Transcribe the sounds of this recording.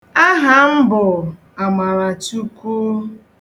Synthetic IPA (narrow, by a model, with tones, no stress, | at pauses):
a˦ɦa˦m̩˦bʊ˨ | a˨ma˨ɾa˨tu˦ku˦